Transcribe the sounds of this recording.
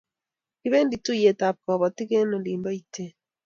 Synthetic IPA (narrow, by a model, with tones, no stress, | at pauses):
ki˦βe˦ndi˨tu˦je˨ta˨p̚kɔ˨βɔ˨ti˦ke˦no˨li˨mbɔ˦i˦tʰe˦